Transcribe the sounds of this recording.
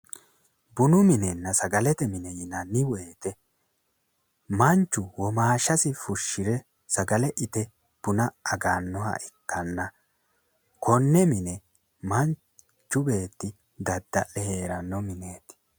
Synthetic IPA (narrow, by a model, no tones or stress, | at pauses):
bʊnʊmɪnɛnːɐsɐɡɐlɛt̪ɛmɪnɛjɪnɐnːɪweːt̪ɛ | mɐnt͡ʃːʊwɔmaːʃɐsɪfʊʃːɪɾɛ | sɐɡɐlɛʔɪt̪ɛ | b̥ʊnɐɐɡanːɔhɐ̰ʔɪkːɐnːɐ | kʰɔnːɛmɪnɛ | mɐn | t͡ʃːʊbe̞ːt̪ːɪ | d̪ɐd̪ːɐʔɛhe̞ːɾɐnːɔmɪne̞ːt̪ɪ̥